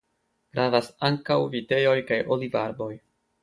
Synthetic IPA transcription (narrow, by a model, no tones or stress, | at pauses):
ɡ̥ɾavasaŋkawvite̞jo̞jkajʔolivaɾbo̞j